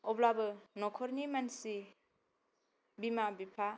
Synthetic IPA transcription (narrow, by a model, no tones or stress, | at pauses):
ɔblabɯnɔkʰɔɾnimansi | bimabipʰa